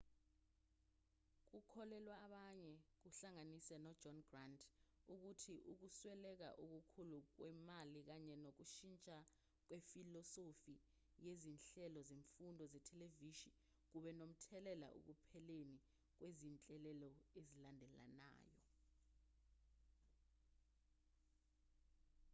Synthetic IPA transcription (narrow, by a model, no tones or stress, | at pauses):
k̬ukʰɔlɛlwaːɓaɲɛk̬uɬaŋanisɛnɔd̥d͡ʒɔnɡrandʰʼuk̬utʰiʔuk̬uswɛlɛk̬a̰ʔuk̬ukʰuluk̬wɛmalik̬aɲɛnok̬uʃint͡ʃʼa | k̬wefilɔsofi | jezinɬɛlɔzeɱfundʱɔzɛtʰɛleviʃi | k̬uɓɛnom̩tʰɛlɛla̰ʔṵk̬upʰɛleni | k̬wezint͡ɬʼɛlɛlɔezilandʱɛla̰na̰ːjɔ̰